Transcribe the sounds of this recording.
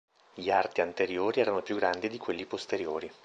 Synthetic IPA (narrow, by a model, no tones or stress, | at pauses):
ʎiart̪iant̪eɾjoːɾiɛːɾanopjuɡːɾand̪id̪ikwelːipost̪eɾjoːɾi